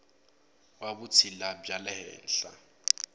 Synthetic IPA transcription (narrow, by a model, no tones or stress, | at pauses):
wabʊt͡sʰilabjalɛhɛ̰ːn̩ɬa̰